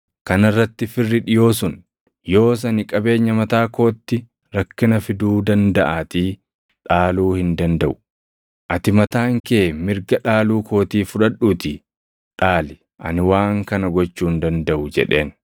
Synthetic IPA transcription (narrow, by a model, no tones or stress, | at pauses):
kɐnɐrːɐt̪ːɪfɪrːɪᶑɪjo̞ːsʊn | jo̞ːs̬ɐnɪkʼɐbe̞ːɲːɐmɐt̪aːko̞ːt̪ːɪ | ɾɐkːɪnɐfɪd̪uːd̪ɐnd̪ɐʔaːt̪iː | ᶑaːluːhɪnd̪ɐnd̪ɐʔʊ̥ | ʔɐt̪ɪmɐt̪aːŋkeːmɪɾɡɐᶑaːluːkʰo̞ːt̪iːfʊᶑɐᶑːuːt̪ɪ | ᶑaːlɪ | ʔɐ̰nɪwaːŋkɐnɐɡɔt͡ʃːuːnd̪ɐnd̪ɐʔʊd͡ʒɛ̰ᶑe̞ːn